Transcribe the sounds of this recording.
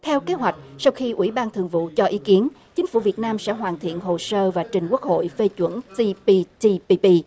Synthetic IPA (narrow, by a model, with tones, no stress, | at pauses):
t̪ʰɛ˧wke˨˦ɦwa˨˩jk̟̚sa˧wxi˧ʔḭ˧˥ɓaː˧nt̪ʰɨ̰˨˧˩əŋvṵ˧˨t͡ɕɔ˧ʔi˨˦ki˨˦ən | t͡ɕï˨˦ŋ̟fu˧˩vi˨˩ət̚naː˧msɛ̰˧˥ɦwaː˨˩nt̪ʰḭ˧˨ənɦo˨˩səː˧vaː˨˩t͡ɕï˨˩ŋ̟ku˦˥ək̚ho̰˧˨jfe˧t͡ɕwə̰˧˥nsi˧pi˧ti˧pi˧pi˧